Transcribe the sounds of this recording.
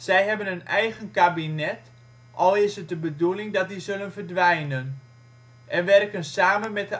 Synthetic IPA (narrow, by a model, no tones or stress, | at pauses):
z̥ɛjɦɛbənənɛjɣənkabinɛt | ʔɔlˠɪsət̚dəbədulɪŋdɔt̚dizɵlənvərdʋɛjnən | ʔɛnʋɛrkənsaːmənmɛt̚də